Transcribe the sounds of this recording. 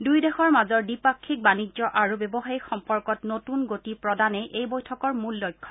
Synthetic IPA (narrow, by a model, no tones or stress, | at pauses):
dujdɛxɔɹmazɔɹdipakʰːik̚banizɔʔaɹubebɔxaɹixɔmpɔɹkɔtnotunɡotipɹɔdanɛʔejbojtʰɔkɔɹmulːojkʰːɔ̥